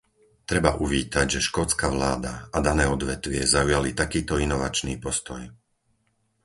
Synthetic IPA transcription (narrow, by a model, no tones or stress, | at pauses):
t̪ɾɛbaʔuʋiːt̪aɟʒɛʃkɔt͡skaʋlaːd̪aad̪anɛːɔd̪ʋɛt̪ʋɪɛzaujalit̪akiːt̪ɔinɔʋa̰t͡ʃnḭːpɔst̪ɔj